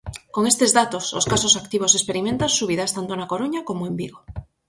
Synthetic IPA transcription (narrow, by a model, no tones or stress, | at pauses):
koŋest̪ezðat̪ososkasosakt̪iβ̞osespeɾimẽnt̪ansuβ̞iðast̪ant̪onakoɾuɲakomoembiɣo